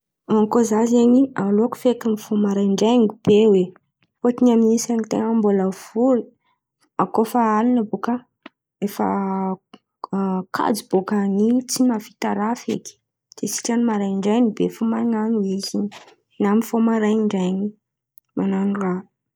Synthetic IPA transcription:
aŋkozazeɲialoku̥fekamifomaɾajɳɖ͡ʐajŋib̥ewe | pot̪inaminisaŋit̪ḛŋəmbuləv̥ulu | akofaalinəbukə | efə̰ | kʰa̰d͡zib̥okanit͡simafi̥t̪aɾafḛki̥ | z̥esi̥ʈ͡ʂanimaɾajɳɖ͡ʐajnibefumaŋanuizin | namifomaɾajiɳɖ͡ʐajɲi | mananura

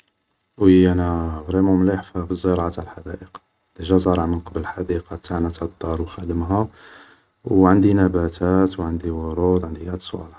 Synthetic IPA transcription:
wəjænæɣɾimumliħfæfizˤːəɾˤɑʕat̪ʕalħad̪æʔəq | d̪̥əʒæzˤɑɾˤɑʕmənqɑblħad̪iqɑbt̪ʰaʕnæt̪æd̪ˤːɑɾˤwxæd̪əmɦæ | wʕənd̪inæbæt̪ʰæt̪wʕənd̪iwʊɾˤud̪ˤʕənd̪iæd̪sˤṵal

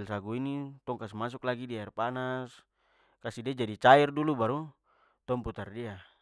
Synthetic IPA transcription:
lsaɡuinit̪ɔŋkasmas̬uklaɡidiaɛrpanas | kasidɛd͡ʒadit͡ʃairdulubaɾu | t̪ɔmput̪ardia

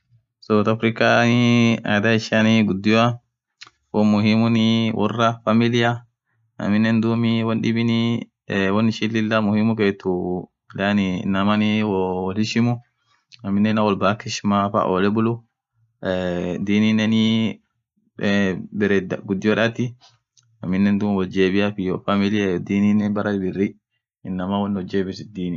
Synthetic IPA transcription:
sɐwt̪ɐfɾɪkania̰ːd̪aɪʃaniɡʊd̪ːɪja | wɔmʊɦimʊniwʔɔrːɐfɐmɪlɪja | ɐ̰mːɪnːɛnd̪uːmiwɐnɗɪbɪni | wɔnːɪʃilːɪlːamʊhimʊkeːt̪ːʊ | lanɪnɐmɐniwɔwɔlɪʃɪmʊ | ɐmːɪnːɛnawɔlbakɪʃmafa̰ʔɔlɛbʊlʊ | d̪iːninːɛni | bɛɾɛd̪ɡʊd̪ːɪjɔᶑɐt̪ːɪ | ɐmːɪnːɛnd̪uːmwɔld͡ʒeːbɪjafɪjɔfamɪlɪjad̪iːninɛnbɐɾɐd̪bɪrːi | ɪnːɐmawɔnːɔd͡ʒeːbɪsɪd̪iːnɪ

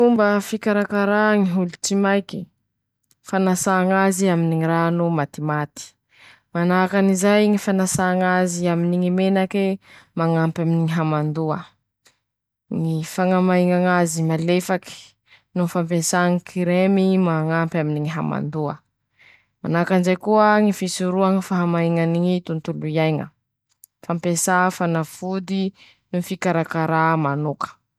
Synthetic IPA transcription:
fumbəfikaɾakaɾaŋiɦulut͡simajki̥ | fanasaːŋaziaminiŋiɾanumat̪imat̪i̥ | manakanizajŋifanasaŋaziaminiŋimenakemaŋampaminiŋiɦamand̪uə | ŋifaŋamaiŋaŋazimalefaki̥ | nunfampesaŋikʰiɾemimaŋampʲaminiŋiɦa̰ma̰nd̪uə̰ | manakanzajkuəŋifisuɾuaŋifaɦamaiŋaniŋit̪unt̪ulujajŋə̰ | fampesafanafud̪i | nufikaɾakaɾamanokə̥

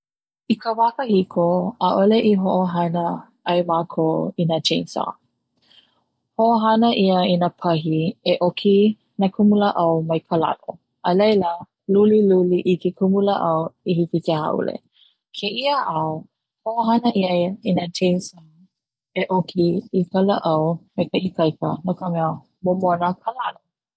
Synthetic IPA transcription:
ikʰəvakəhikʰoəʔoleʔiɦoʔoɦɐnə | ɐjmaːkʰoːinat͡ʃʰensa̰ | hoʔoɦɐnəʔiəinapʰɐɦieʔokʰi | nakʰumuləʔɐwmɐjpʰəla̰ʔo̰ | ʔəlejlə | luliluliʔikekʰumuləʔɐwihifiteha̰ʔṵlḛ | kʰeʔiaʔɐw | hoaɦɐnəʔiəinatʰejnsa | eʔokʰiikələʔɐwmekəʔikɐjkə̰nokəmɛə | momonəkʰəlalo

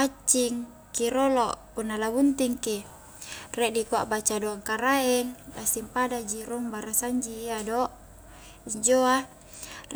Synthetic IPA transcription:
at͡ʃːiŋ | kiɾoloʔpunːalabunt̪iŋki | rɛʔdikuaʔbat͡ʃadoaŋkaɾaɛŋlasiŋpadad͡ʒiɾoŋbaɾasaɲd͡ʒiːadoʔ | iɲd͡ʒoa

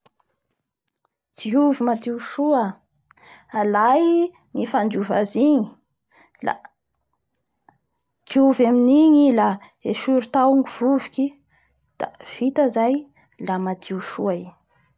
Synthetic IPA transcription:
d͡z̥iuvimat̪iuʃua | alaj | ŋifand̪iuva̰ziɲi̥ | la̰ | t͡siuvaminiɲila | eʃuɾut̪awuŋiv̥uvi̥kʲi | d̪̥a̰v̥it̪əzaj | lamat̪ʰiuʃuai

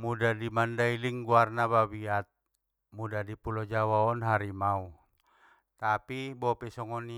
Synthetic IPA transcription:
mudadimandailiŋɡuarnababiat̪̚ | mudadipulɔd͡ʒawaɔnɦaɾimau | t̪apibɔpɛsɔŋɔni

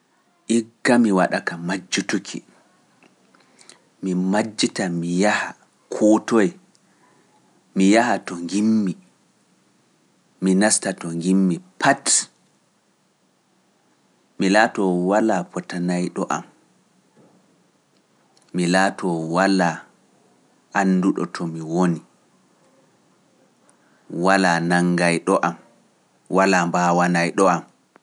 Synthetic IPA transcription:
ʔiɡːamiwaɗakamad͡ʒːutukʰḭ | mimad͡ʒːitamijaha | kʰɔtɔj | mijahatɔŋɡimːi | minastatɔŋɡimːipʰat | milaːtɔwalapʰɔtanajɗɔʔa̰m | milaːtɔwala | anːduɗɔ̰tʰɔmiwoni | walaːnaŋɡajɗɔʔam | walaːmbawanajɗɔam

